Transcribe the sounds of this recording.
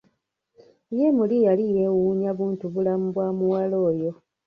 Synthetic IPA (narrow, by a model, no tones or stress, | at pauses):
jemulijalije̞wuɲaβuːntuβulamuβwaːmuwalo̞ːjo̞